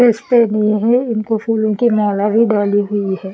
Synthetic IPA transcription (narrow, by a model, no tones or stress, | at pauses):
eːspenĩɦɛɪnkofʰuːlõkimaːlabʱiɖaːliɦʊiɦɛː